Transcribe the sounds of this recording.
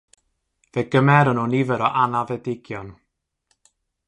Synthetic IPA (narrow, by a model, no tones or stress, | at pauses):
veːɡ̥əmɛɾənuːnivəɾɔʔanavɛdɪɡjɔn